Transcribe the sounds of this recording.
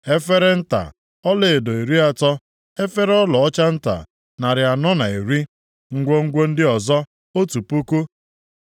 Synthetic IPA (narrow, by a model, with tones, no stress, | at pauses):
e˦fe˦ɾe˦n̩˦ta̰˨ | ɔ˦le˨e˨do˨e˨ɾi˦a˦tɔ˦ | e˦fe˦ɾɔ˦lɔ˨ɔ˦t͡ʃa˦n̩˦ta̰˨ | na˨ɾɪ˨a˨nɔ˦na˨e˨ɾi˦ | ŋ̩˦ɡʷo˦ŋ̩˦ɡʷo˦n̩˦dɪ˦ɔ˨zɔ˦ | o˦tu˨pu˦ku˦